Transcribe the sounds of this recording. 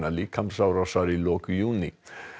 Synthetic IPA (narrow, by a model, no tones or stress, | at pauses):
nalikʰampsawɾasaɾiloːkjuːni